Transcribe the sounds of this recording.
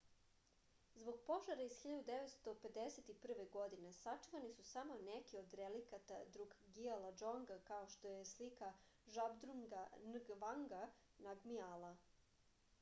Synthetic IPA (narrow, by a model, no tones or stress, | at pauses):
zbo̞ɡ̚po̞ʒaɾaiz̥xiʎad̪ud̪eʋet̪st̪o̞pe̞d̪eset̪ipr̩ʋe̞ɡo̞d̪ine̞sat͡ʂuʋanisusamo̞nekiod̪ɾelikat̪ad̪ɾuɡɡialˠad͡ʒoŋɡakao̞ʃt̪o̞jeslika | ʒabd̪ɾuɡanɡʋaŋɡa | naɡmialˠa